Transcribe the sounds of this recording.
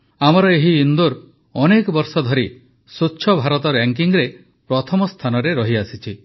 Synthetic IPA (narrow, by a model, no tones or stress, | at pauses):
amɔɾɔeɦiːnd̪uɾ | ɔnekɔbɔɾsɔd̪ʱɔɾi | suːʃʰɔbʱaɾɔt̪ɔɾaŋk̬iŋɾe | pɾɔt̪ʰɔmɔst̪ʰanɔɾeɾɔɦiasit͡ʃʰi